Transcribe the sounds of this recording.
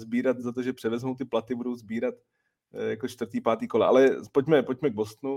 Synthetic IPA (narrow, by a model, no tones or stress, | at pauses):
zbiːɾat̪zat̪oʒɛpr̥ɛvɛzmowt̪ɪplat̪ɪbudo̞wzbiːɾat̪ | jakot͡ʃt̪vrt̪iːpaːt̪iːkolaʔa̰lɛpocmɛpoc̚mɛɡ̚bost̪nu